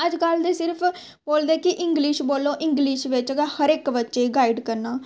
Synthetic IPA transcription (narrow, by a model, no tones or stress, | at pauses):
əd͡ʒkəld̪eːsɪɾpʰ | boːld̪eːkɪʔɪ̃ŋɡlɪʃboːlːõːʔɪ̃ŋɡlɪʃʋɪt͡ʃɡhəɾɪkʋətːʃeːɡaːiɖkəɾnaː